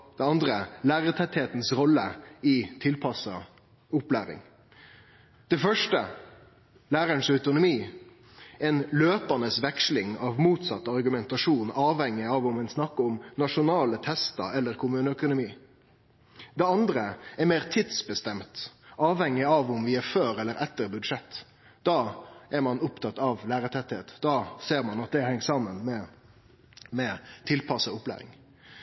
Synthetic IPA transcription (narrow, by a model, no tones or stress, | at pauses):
d̪̥ɛɑnd̪ɾəlæːɾət̪ʰɛt̪heːt̪n̩sʁɔlːəiːt̪ʰɪlpʰɑsɑ̰ | ʊplæːɾɪ̰ŋ | d̪̥ɛfœʂʈə̰ | læːɾəɳsœʉt̪ʊnʊmiː | ɛnløːpənəsʋɛkʂlɪŋɑʋmuːt̪sɑt̪ːɑʁɡʉmɛnt̪ɑʂuːnɑːʋhɛŋːɪɑʋʊmɛnsnɑkːəʊmnɑʂʊnɑːlət̪ʰɛst̪ə̰ɛlːəɾkʰʊmʉːnəœkʊnʊmiː | d̪ɛɑnd̪ɾəɛɾmeːʁt̪ʰɪd̪sbəst̪ɛmt̪ʔɑːʋhɛŋːɪɑʋʊmʋɪæɾføːɾɛlːəɾɛt̪ːəɾbʉd̪ʂɛt̪ː | d̪̥ɑːæɾmɑnʊpt̪ʰɑt̪ːɑʋlæːɾət̪ʰɛt̪ːɪheːt̪d̪ɑːseːɾmɑnɑt̪̚d̪ɛhɛŋːsɑmːənmɛ | mɛt̪ʰɪlpʰɑsəʊplæ̰ːɾɪ̰ŋ